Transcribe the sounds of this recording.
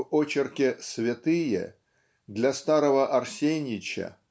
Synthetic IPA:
ot͡ɕɪrkʲɪsvʲɪt̪ɨjə̰ | d̪lʲɐst̪aɾəvəʔɐrsʲenʲɪt͡ɕə̰

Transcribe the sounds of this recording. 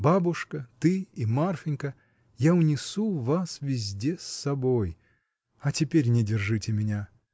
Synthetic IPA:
babʊʂkət̪ɨimarfʲɪnʲkə | jaʊnʲɪsuvasvʲɪzʲdʲesːɐboj | ɐtʲɪpʲeɾʲnʲɪdʲɪrʐɨtʲɪmʲɪnʲa

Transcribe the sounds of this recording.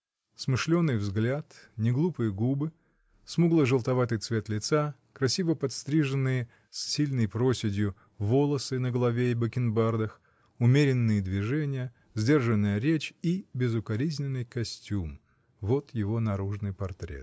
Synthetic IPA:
smɨʂlʲo̞nːɨjvzɡlʲat̪nʲɪɡlˠupɨjəɡubɨ | smuɡlˠəʐɨlˠt̪ɐvat̪ɨjt̪svʲe̞t̪lʲɪt̪sa | kɾɐsʲivəpɐt̪st̪ɾʲiʐɨnːɨjə | sːʲilʲnəjpɾosʲɪdʲjʊ | vo̞lˠəsɨnəɡəlˠɐvʲeɪbəkʲɪnbard̪əx | ʊmʲeɾʲɪnːɨjəd̪vʲɪʐɛnʲɪjə | zʲdʲe̞rʐɨnːəjəɾʲet͡ɕibʲɪzʊkɐɾʲizʲnʲɪnːɨjkɐsʲtʲum | vo̞t̪jɪvo̞nɐɾuʐnɨjpɐrt̪ɾʲḛt̪

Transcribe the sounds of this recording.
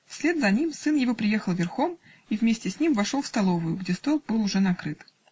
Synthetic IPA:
fsʲlʲe̞d̪zɐnʲimsɨnjɪvo̞pɾʲɪje̞xəlˠvʲɪrxo̞m | ivmʲesʲtʲɪsʲnʲimvɐʂolˠfst̪ɐlˠo̞vʊjʊɡdʲest̪o̞lˠbɨlˠʊʐɛnɐkɾɨt̪

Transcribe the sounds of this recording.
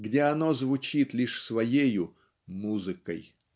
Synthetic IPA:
ɡdʲeɐno̞zvʊt͡ɕit̪lʲiʂsvɐjejʊ | muzɨkə̰j

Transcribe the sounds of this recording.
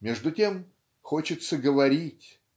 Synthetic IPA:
mʲeʐd̪ʊtʲe̞m | xot͡ɕɪt̪səɡəvɐɾʲitʲ

